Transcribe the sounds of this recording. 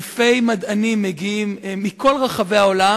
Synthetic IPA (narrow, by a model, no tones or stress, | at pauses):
fejmad̪animːeɡiimːikʰo̞lʁaχave̞aola